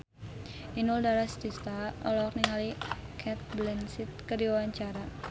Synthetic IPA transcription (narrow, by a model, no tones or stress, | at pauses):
ʔinuldaɾast̪ist̪aɔ̰lɔrniŋalikʰɛt̪̚blɛnsit̪̚kədiwawaɲt͡ʃaɾa